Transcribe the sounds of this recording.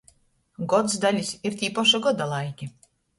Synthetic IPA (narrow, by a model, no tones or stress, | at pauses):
ɡot̪sd̪alʲisʲirt̪ʲipoʃaɡod̪alˠɑjkʲi